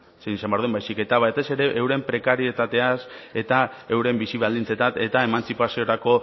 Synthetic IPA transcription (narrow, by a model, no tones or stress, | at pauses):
senisambeaɾðuembajsike̞t̪aβajt̪e̞se̞ɾe̞ʔːwɾe̞mpɾe̞kaɾie̞t̪at̪e̞ase̞t̪ae̞wɾe̞mbisiβald̪int͡se̞t̪at̪e̞t̪ae̞mant͡sipasio̞ɾako̞